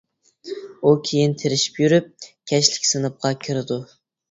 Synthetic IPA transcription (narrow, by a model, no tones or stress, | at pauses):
ukʲʰejint̪ʰeɾɪʃi̥pjyɾyp̚kʲʰɛʃlɪkʲsɨnɨp̚qʰɑkʲʰyɾɪd̪u